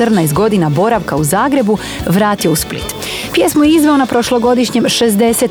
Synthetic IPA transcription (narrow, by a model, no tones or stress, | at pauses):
rnajst̪ɡo̞d̪inabo̞ɾaʋkauzaːɡɾe̞bu | ʋɾaːt̪io̞usplḭt̪ | pjeːsmojeizʋe̞onapɾo̞ʃlˠoɡo̞d̪iʃɲe̞mʃezd̪e̞set̪